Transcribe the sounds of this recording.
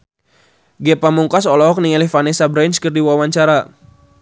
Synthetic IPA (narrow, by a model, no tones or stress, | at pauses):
ɡɛpamuŋkasɔlɔɦɔk̚niŋalihfanisabɾɛnt͡ʃkɨrdiwawaɲt͡ʃaɾa